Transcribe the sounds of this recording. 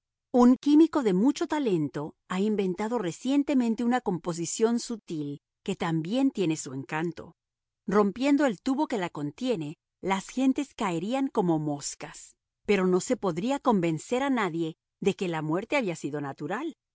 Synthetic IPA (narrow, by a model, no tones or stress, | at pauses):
uŋkimiko̞ðe̞mut͡ʃo̞t̪ale̞nt̪o̞ | aimbe̞nt̪aðo̞re̞sje̞nt̪e̞mẽ̞nt̪e̞unako̞mpo̞s̬isjo̞nsut̪il | ke̞t̪ambje̞nt̪je̞ne̞sue̞ŋkant̪o̞̰ | ro̞mpje̞nd̪o̞e̞lt̪uβo̞ke̞lako̞nt̪je̞ne̞ | lasxe̞nt̪e̞skaeɾiaŋko̞mo̞mo̞skas | pe̞ɾo̞no̞se̞po̞ðɾiako̞mbe̞nse̞ɾanaðje̞ | ðe̞ke̞lamwe̞ɾt̪e̞aβiasiðo̞nat̪uɾal